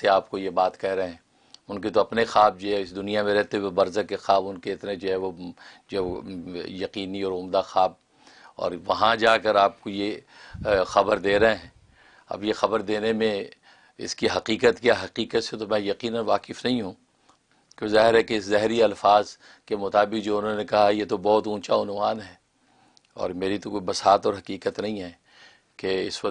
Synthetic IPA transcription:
t̪eaːp̚kojebaːt̪kɛɦɾɐeɦɛ̃ː | ʊnket̪oɐpnexaːb̚d͡ʒoɦɛɪsd̪ʊnijamẽɾɛɦt̪eɦuwebɐɾzəkexaːbʊnkeɪt̪nẽd͡ʒoɦɛʋod͡ʒɛjɐqiːniɔːɾʊmd̪axaːb̚ | ɔ̰ːɾʋɐɦãd͡ʒaːkɐɾaːp̚koje | xɐbəɾd̪eːɾɐɦɛ̃ː | ɐ̰bjexɐbəɾd̪eːnemẽ | ɪ̰skiɦɐqiːqət̪kjaɦɐqiːqət̪set̪omɛ̃jɐqiːnənʋaːqɪfnɐɦĩɦũː | kõzaːɦɪɾɦɛkeɪszɛɦɾiɐlfaːz | kemʊt̪aːbɪqd͡ʒoʊnɦõnekɐɦajet̪obɔːt̪ũːt͡ʃaʊnʋaːnɦɛː | ɔ̰ːɾmeːɾit̪okoibɐsaːt̪ɔːɾɦɐqiːqət̪nɐɦĩɦɛː | keɪsʋɐ

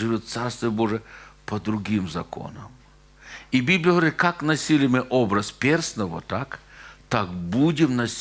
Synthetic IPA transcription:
ʐɨvʲot̪̚t̪sarst̪vʲɪjəboʐɨəpɐd̪ɾʊɡʲimzɐ̰ko̰nəm | ibʲiblʲɪjəɦəʋɾʲit̪̚kaknɐsʲilʲɪmɨʔobɾɐspʲersnəʋɔ̰t̪akt̪akbudʲɪmnɐsʲ

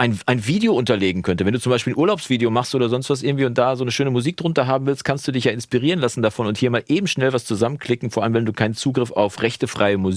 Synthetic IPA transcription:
ʔaɪnʔaɪnviːdeoʔʊntɐleːɡŋ̩kʰœntəvɛnduːt͡sʊmbaɪʃpiːlnʔuːɐlaʊpsv̥iːdeomaχstʔoːdɐzɔnstv̥asʔɪɐŋ̩tv̥iːʊnt̚d̥aːzoːnəʃøːnəmuziːk̚d̥ʁʊntɐɦaːbm̩vɪlstkʰanstd̥uːdɪçjaːɪnspiːʁ̞iːʁənlasn̩dafɔnʊnthiːɐmaːlʔeːbm̩ʃnɛlvast͡suzamənkʰl̥ɪkŋ̩foɔɐʔaləmvɛnduːkʰaɪnənt͡suːɡʁɪfa̰ʊfʁɛçtəfʁ̥aɪəmuz

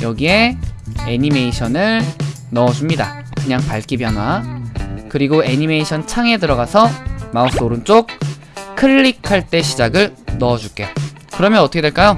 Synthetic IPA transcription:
jʌɡie̞eɲimeiɕʰʌnɯɭ | nʌːd͡ʑumɲida̰ | kɯɲaŋpaɭk͈ibjʌnɦwa | kɯɾiɡoe̞ɲimeiɕʰʌnt͡ɕʰaŋe̞dɯɾʌɡasʰʌmaos͈ʰʌoɾɯnt͡ɕ͈ok̚ | kʰɯɭːikʰaɭt͈e̞ɕʰid͡ʑaɡɯɭnʌːd͡ʑuk͈e̞ | kɯɾʌmjʌnʌt͈ʰʌkʰedweɭk͈ajo

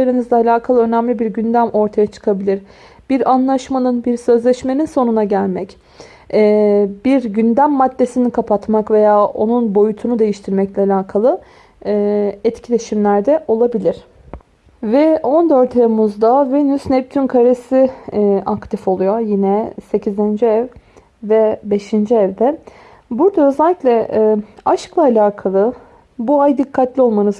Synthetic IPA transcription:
aɾɯnɯzd̪aalʲaːkʰalˠɯø̞næmlʲibiɾɟynd̪æmʔo̞ɾt̪ʰajat͡ʃʰɯ̥kʰabilʲiɾ | b̥iɾanlˠaʃmanɯnbiɾsø̞zlʲɛʃme̞ninso̞nunaɟælʲmɛc | ɛːbiɾɟynd̪æmːad̪ːe̞sinikʰapʰat̪makve̞jaːʔo̞̰nunbo̞jut̪ʰunud̪e̞jiʃt̪ʰiɾmɛclʲɛalʲaːkʰalˠɯː | ɛt̪cʰilʲe̞ʃimlʲæɾd̪ɛʔo̞lˠabilʲiɾ̥ | vɛo̞nd̪øɾt̪ʰevmuzd̪avenysnɛp̚t̪ʰynkʰaɾesiʔakt̪ʰifo̞lˠujo̞jinɛse̞cʰizind͡ʒiɛv | vɛbe̞ʃind͡ʒiɛvd̪ɛ | buɾd̪aø̞zɛlʲːicʲlʲɛʔaʃklˠaːlʲaːkʰalˠɯ | buajd̪ikʰːat̪lʲio̞lˠmanɯz

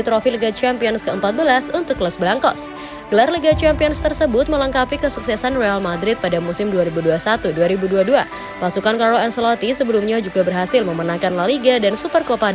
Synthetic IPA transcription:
it̪ɾofiliɡat͡ʃampiɔnskəəmpat̪̚bəlasunt̪ʊkːləsbəlaŋkɔ̰s | ɡ̥əlarliɡat͡ʃampiɔnst̪ərsəbʊt̪̚mələŋkapikəsuksɛsanrealmadɾɪt̪̚padamusɪmduaɾibuduasat̪uduaɾibuduadua | pasukankaɾoɛnsəlɔt̪isəbəlumɲad͡ʒuɡabərɦasɪlməmənaŋkanlaliɡadansupərkopad

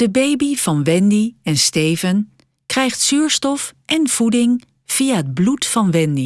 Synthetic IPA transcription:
d̥əbejbiv̥ɑnʋɛndiɛnstejvən | krɛjχtsyːɹstɔfʔɛnv̥udɪŋ | v̥ijaɦəd̚blutfɑnʋɛndi

